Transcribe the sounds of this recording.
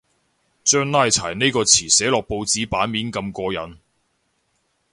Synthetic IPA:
t͡ʃœː˥ŋnaː˥jt͡sʰaː˨˩jne˥jkɔː˧t͡sʰiː˨˩sɛː˨˥lɔː˨k̚po˧wt͡siː˨˥paː˨˥nmiː˨˥nkɐ˧mkɔː˧jɐ̰˨˥n

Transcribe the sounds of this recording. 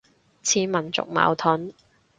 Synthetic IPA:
t͡sʰiː˨˥mɐ˨˩nt͡sʊ̰˨k̚ma̰ː˨˧wt̪ʰʊ˨˥n

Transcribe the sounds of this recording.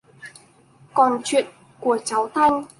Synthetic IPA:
kɔː˨˩nt͡ɕʰyː˨˩t̚ | ku˨˩t͡sɐ˨˥wt̪ʰɐ˥˧ŋ

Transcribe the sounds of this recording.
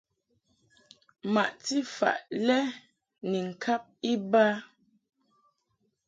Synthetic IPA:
ma˨ʔti˦fa̰˨ʔlɛ˦ | ni˨ŋ̩˨kʰa˦p̚i˦ba˦

